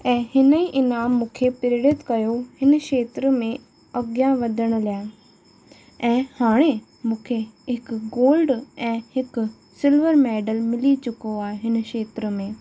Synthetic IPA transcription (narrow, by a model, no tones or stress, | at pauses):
ɛ̃ːhɪnəiʔɪnaːmːũːkʰepɪɾɪɽɪt̪kɐjohɪnəʃeːt̪ɾəmẽ | ɐɡjãʋɐd̪ʱəɽ̃ə̆lijaː | ɛ̃ːhaːɽ̃e | mũːkʰeɦɪkɡoːlɖɛ̃ːhɪk | sɪlʋəɾmɛːɖəlmɪlit͡ɕʊkoaːɦeɦɪnʃeːt̪ɾəmẽː